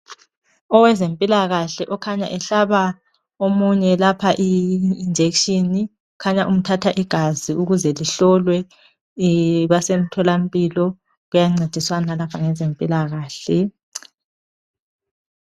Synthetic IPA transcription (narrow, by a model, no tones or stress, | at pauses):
ɔwɛzempʼilaɣaɬɛʔɔkʰaɲa̰ʔɛɬaβa | omuɲɛlapʰaʔiːnd͡ʒʱekʃini | ukʰaɲaʔum̩tʰatʰaʔiɡ̥ʱaziuɣuzɛliɬɔlwɛ | βasem̩tʰɔlam̩pʼilɔ | ɣujaŋ͡ǀed̥ʱiswanalapʰaŋɛzempʼilaɣaːɬɛ